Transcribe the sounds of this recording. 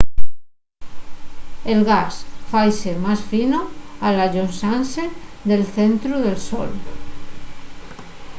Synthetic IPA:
elɣasfajsemasfinoalaʝonsanseðelθent̪ɾuðelso̰l

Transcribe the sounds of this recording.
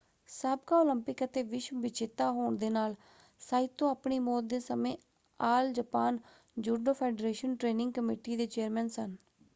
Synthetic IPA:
saːb̚kaːoːləmpɪkət̪eːʋɪʃmʋɪt͡ʃʰɪt̪ːaːɦoːɳd̪eːnaːl | saːɪt̪ːõːaːpɳiːmɔːt̪̚d̪eːsəmẽː | aːld͡ʒəpaːn | d͡ʒuːɖoːpʰeːɖɾeːʃənʈɾeːnɪ̃ŋɡkəmiːʈiːd̪eːt͡ʃeːɾmɛːnsən

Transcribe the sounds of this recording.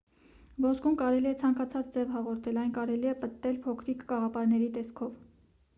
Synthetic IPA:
vɔskumkɑɾɛliɛt͡sʰɑŋkɑt͡sʰɑt͡sd͡zɛvhɑʁɔɾt̪ʰɛlɑjnkɑɾɛliɛpət̪ːɛlpʰɔkʰɾikʰɡɑʁɑpɑɾnɛɾit̪ɛskʰɔv

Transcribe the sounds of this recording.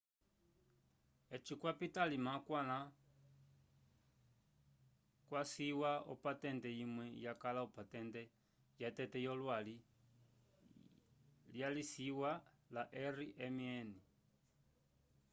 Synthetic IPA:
ɛt͡ʃikwapitalimakwana | kwasiwaɔ̰patɛndɛjimwɛjakalaɔpatɛndɛ | jatɛtɛjɔlwali | ljalisiwa | laʔɛriʔɛmiɛni

